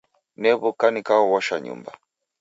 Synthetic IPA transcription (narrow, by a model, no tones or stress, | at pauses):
nɛβukanikaɔwɔʃaɲṵmba̰